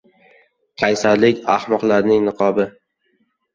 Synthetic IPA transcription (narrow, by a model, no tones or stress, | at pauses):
kʲʰajsaɾlɪkʲahmɒqlaɾnɪŋnɨqʰɒbɪ